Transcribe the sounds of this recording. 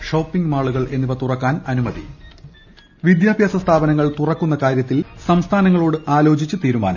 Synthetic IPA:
ʂo̞ːpːiŋɡmaːɭuɣɐɭe̞nːiʋɐt̪urɐkːaːnɐnumɐðḭ | ʋid̪jaːbʱjaːsɐst̪ʰaːbɐnɐŋːɐɭt̪urɐkːunːɐkaːɾjɐt̪ːilsɐmst̪ʰaːnɐŋːɐɭoːɽɨʔaːlo̞ːt͡ɕit͡ɕːɨt̪iːɾuma̰ːnɐ̰

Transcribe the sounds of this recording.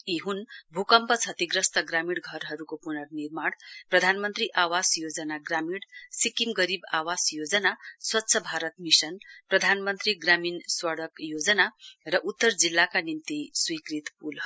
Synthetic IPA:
iɦunbʱukʌmpʌt͡sʰʌt̪iɡrʌst̪ʌɡramiɽɡʱʌɾɦʌɾukopunʌrnirmaɽprʌd̪ʱanmʌnt̪riʔawasjod͡zʌnaɡramiɽsikimɡʌɾibawasjod͡zʌnaswʌt̪ːsʰʌbʱaɾʌt̪misʌnprʌd̪ʱanmʌnt̪riɡraminswaɽʌkjod͡zʌnarʌʔut̪ːʌrd͡zilːakanint̪iswikrit̪pul

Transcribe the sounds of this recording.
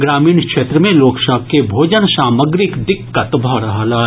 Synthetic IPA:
ɡɾaːmiːɳkʃeːt̪ɾəmẽloːkʃaːkkebʱoːd͡ʒənsaːməɡɾɪkd̪ɪkːət̪bʱɔɽɐɦalaː

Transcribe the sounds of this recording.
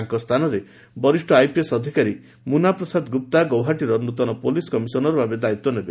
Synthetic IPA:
ŋkɔst̪ʰanɔɾe | bɔɾisʈɔajpiesɔd̪ʱikaɾi | munapɾɔsad̪ɡup̚t̪aɡɔwɦaʈiɾɔnut̪ɔnɔpoliskɔmisɔnɔɾɔbʱabed̪ait̪wɔnebe

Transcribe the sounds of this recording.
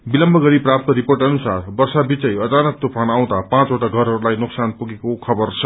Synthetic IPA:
bilʌmbʱʌɡʌɾiprap̚t̪ʌɾiporʈʌnusarbʌrsabit͡sʌjʌt͡sanʌk̚t̪upʰanaw̃d̪apãt͡soʈaɡʱʌɾɦʌɾulajnuksanpuɡekokʰʌbʌrt͡sʰʌ

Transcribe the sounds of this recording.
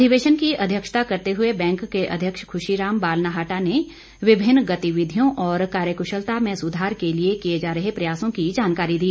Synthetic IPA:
d̪ʱiʋeːʃənkiɐd̪ʱjəkʃt̪akɐɾt̪eɦʊebɛ̃ːŋkːeʔɐ̰d̪ʱjəkʃkʰʊʃiɾaːmbaːlnaɦaːʈane | ʋɪbʱɪnːɡɐt̪iʋɪd̪ʱijõʔɔːɾkaːɾjəkʊʃəlt̪amẽsʊd̪ʱaːɾkeliekijed͡ʒaːɾəɦepɾɐjaːsõkid͡ʒaːnkaːɾid̪iː

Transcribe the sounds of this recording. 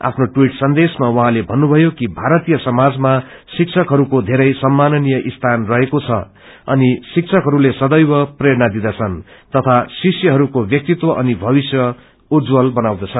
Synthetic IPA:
a̰pʰnoʈwiʈsʌnd̪esmawʌɦãlebʱʌnːubʱʌjokibʱaɾʌt̪ijʌsʌmad͡zma | sik̚sʰʌkɦʌɾukod̪ʱeɾʌjsʌmːanʌnijʌʔist̪ʰanrʌɦekot͡sʰʌ̰ | ʌnisikt͡sʰʌkɦʌɾulesʌd̪ʌjbʌprʌjeɾnad̪id̪at͡sʰʌnt̪ʌt̪ʰasiksjʌɦʌɾukobjʌk̚t̪it̪wʌʔʌnibʱʌβisjʌ | ud͡zwʌlbʌnawd̪ʌt͡sʰʌ

